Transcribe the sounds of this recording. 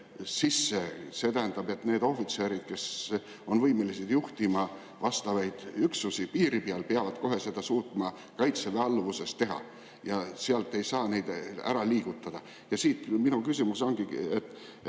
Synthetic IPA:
sisːese̞t̪æɦænd̪̥ɑbe̞t̪ːne̞ːd̪o̞fit̪se̞ːɾid̪̥̚ke̞s | o̞nvɤjmelised̪̥juht̪imɑ | vɑst̪ɑvɑjd̪̥yksusipiːɾipiɑlpeɑvɑd̪̥ko̞ɦe̞se̞d̪̥ɑsuːt̪ˑmɑ | kɑjt̪seveɑlːvusest̪ːe̞ɦɑ̰ | jɑseɑlt̪ˑːe̞jsɑːne̞jd̪æ̰ɾɑliːɡ̥ut̪ːˑɑd̪̥ɑ | jɑsiːt̪minukysimuso̞nɡ̥iet̪ːˑ

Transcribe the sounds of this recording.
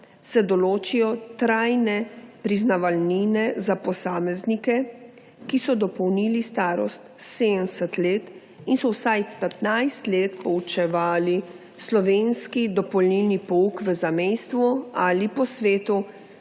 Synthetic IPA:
sɛd̪ɔloːt͡ʃijɔt̪ɾajnɛpɾiznaʋalninɛzapɔsaːmɛznikɛ | kisɔd̪ɔpɔwniːlist̪aːɾɔ̰st̪sed̪ənsɛt̪leːt̪ | insɔwsajpɛt̪najst̪leːt̪̚pɔut͡ʃɛʋaːli | slɔʋeːnskid̪ɔpɔlnilnipɔukʋəzamɛjst̪ʋualipɔsʋeːt̪u

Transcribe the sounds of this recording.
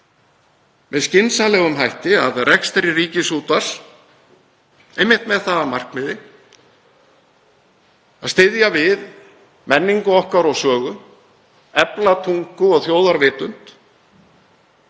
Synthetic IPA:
vɛðscɪnsanlɛːɣʏmɦajht̪ɪaðrɛkst̪ɾɪriːcɪsuːt̪as | ejmːɪht̪mɛðθaðamar̥kmɪðɪ | a̰ðst̪ɪðjavɪð | mɛnːiŋkʏɔhkaɾɔɣsœːɣʏ | ɛplat̪ʰuŋkʏɔɣθjoːwðaɾvɪːt̪ʏn̥t̪

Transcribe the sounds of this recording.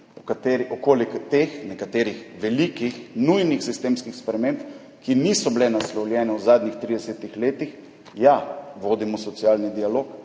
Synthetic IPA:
ɔkat̪eːɾiʔɔkoːlikt̪eːxnɛkat̪eːɾixʋɛlikixnujnixsist̪eːmskixspɾɛmeːmp | kinisɔblɛnaslɔwljɛːnɛwzaːd̪ɲixt̪ɾid̪ɛsɛt̪ixleːt̪ix | jaʋoːd̪imɔsɔt̪siaːlnid̪ialoːk

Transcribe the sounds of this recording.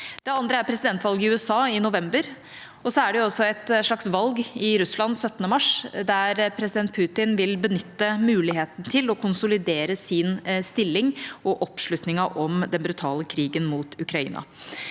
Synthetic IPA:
d̪̥ɛɑnd̪ɾəæɾpʰɾɛsɪd̪ɛnt̪ʋɑlɡɪʉːɛsɑːɪnʊʋɛmbəɾ | ɔsɔæɖɛjʊɔsːɔɛt̪ʂɭɑksʋɑlɡɪɾʉslɑnsœt̪ːənəmɑʂd̪æɾpʰɾɛsɪd̪ɛnt̪̚pʰʉːt̪ɪnʋɪlbənʏt̪ːəmʉːlɪɦeːt̪n̩t̪ʰɪlɔkʰʊnsʊlɪd̪eːɾəsɪnst̪ɪlːɪŋɔʔɔpʂɭʉt̪nɪŋɑʔɔmd̪ɛnbɾʉt̪ʰɑːləkʰɾiːɡənmuːt̪ʰʉkɾɑḭːnɑ̰

